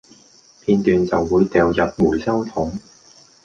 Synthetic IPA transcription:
pʰiː˧nt̪yː˨nt͡sɐ˨wːuː˨˧jt̪ɛː˨˧wjɐ˨˩p̚muː˨˩jsɐ˥wt̪ʰʊ˨˥ŋ

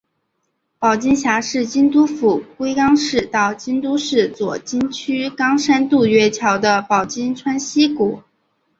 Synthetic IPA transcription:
pɑ˨˩ʊt͡ɕi˥ŋɕja˧˥ʂɻ̩˥˩t͡ɕi˥nt̪̬u˥fu˨˩kwe˥ɪkɑ˥ŋʂɻ̩˥˧t̪ɑ˥˩ʊt͡ɕi˥nt̪u˥ʂɻ̩˥˩t͡swɔ˨˩t͡ɕi˥nt͡ɕʰy˥kɑ˥ŋʂa˥nt̪u˥˧ɥɛ˥t͡ɕʰjɑ˧˥ʊd̪ə˧pɑ˨˩ʊt͡ɕi˥nʈ͡ʂʰwa˥nɕi˥ku˨˩˦

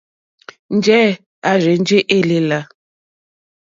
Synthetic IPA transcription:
n̩˦d͡ʒɛː˦ | a˨ʒe˨n˦d͡ʒe˦ʔe˦le˨la˨

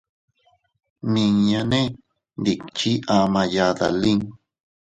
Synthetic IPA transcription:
nĩ˧ŋɲã˧nẽ˦ | nd̪i˨kt͡ʃi˦ʔa˨mã˨˧ja˨ða̰˨li˦ŋ

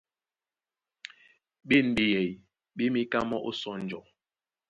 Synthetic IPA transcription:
ɓi˦˨n˨ɓi˦jɛ˨j | ɓi˦mi˦ka˦mɔ˦ʔo˦sɔ˦n̩˨d͡ʒɔ˨

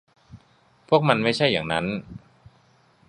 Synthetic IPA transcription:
pʰu˥˩ək̚ma˧nma˥˩jt͡ɕʰa˥˩jːaː˨˩ŋna̰˦˥n

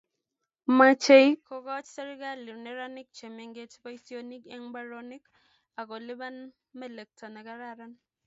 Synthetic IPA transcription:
ma˦t͡ʃe˦jkɔ˨ɡɔ˦t͡ʃsɛ˦ɾɪ˦ɡa˦li˨ɾnɛ˦ɾa˦nɪ˦k̚t͡ʃe˨me˨ŋɡe˦t͡ʃpa˦i˦sio˦ni˦kɛ˦ŋba˦ɾoni˦k | a˨ɡɔ˨lɪ˦ba˦n | mɛ˦˨le˨k̚tʰɔ˨nɛ˨ɡa˦ɾa˦ɾa˦n

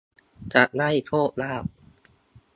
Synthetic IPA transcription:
t͡ɕa˨˩na˥˩jt̪ʰoː˥˩t̪̚laː˥˩p̚

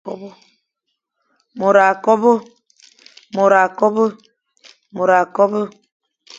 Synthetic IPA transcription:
ɔ˦bo˦ | mo˨ɾa˨kɔ˦bo˦ | mo˨ɾa˨kɔ˦bo˦ | mo˨ɾa˨kɔ˦bo˦

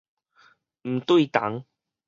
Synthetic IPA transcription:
m̩˨˩t̪wi˥˧˨t̪a̰˨˦ŋ

